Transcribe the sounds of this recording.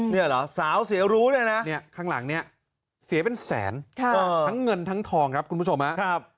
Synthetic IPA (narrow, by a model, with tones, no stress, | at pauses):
ni˥˩ɐlɔ˨˦saː˩˦wsi˩˦ɾuː˦˥lɯː˥˩˨jna˦˥ni˥˩ɐkʰaː˥˩ŋla˩˦ŋni˥˩ɐ | si˨˩˦pe˧nsɛ̰ː˩˦nkʰa˥˩ɤː˧tʰa˦˥ŋːɤ˧nt̪ʰa˦˥ŋt̪ʰɔː˧ŋkʰɾa˦˥p̚kʰu˧npu˦˥˩o˧mha˦˥ʔkʰa˥˩p̚